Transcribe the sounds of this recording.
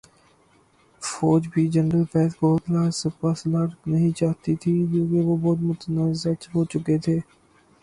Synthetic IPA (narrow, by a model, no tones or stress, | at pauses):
foːd͡ʒbʱiːd͡ʒənɖəlfɛːt̪koːt̪laːspaːslaɾknɐɦĩt͡ʃaːɦt̪it̪ʰikõːkeʋoːbɔːt̪̬mʊt̪nəzət͡ʃɦoːt͡ʃʊket̪ʰeː